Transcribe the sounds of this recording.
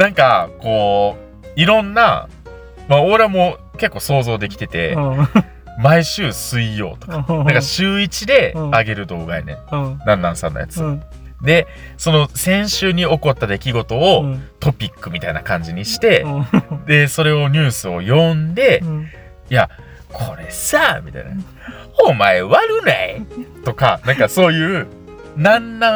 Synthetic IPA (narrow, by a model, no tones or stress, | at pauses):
nãŋkako̞ː | iɾõ̞nːa̰ | maoɾeamo̞ke̞kːo̞ːso̞ːzo̞ːd̪e̞kʲi̥t̪e̞t̪e̞̰ | maiɕɨːsɨijo̞̰ːt̪o̞̥kḁnãŋkaɕɨːit͡ɕid̪e̞aɡe̞ɾɯ̟d̪o̞ːɡaḛnḛ̃nãnːãsã̰nːo̰ja̰t͡sɨ | d̪e̞ | so̞no̞sẽ̞ɰ̃ɕɨːɲ̟io̞ko̞t̪ːad̪e̞kʲiɡo̞t̪o̞ot̪o̞pʲikːɯ̟mʲit̪ainakãɲ̟d͡ʑiɲ̟iɕi̥t̪e̞d̪e̞so̞ɾe̞o̞ɲ̟ɨːsɨo̞jõ̞nd̪e̞ | ja | kʰo̞ɾe̞samʲit̪a̰ḭna̰ | hommːaeβaɾɯ̟nait̪o̞kanãŋkaso̞ːjɯ̟ː | nãnːã